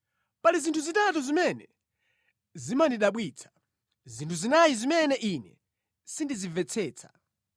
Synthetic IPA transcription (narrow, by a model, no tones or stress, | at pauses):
palizintʰuzitatuzimɛnɛ̰ | zimandiɗaɓwiːt͡sʰḁ | zintʰuzinajizimɛnɛʔinɛ̰ | sindizivɛt͡sʰɛːt͡sʰḁ̰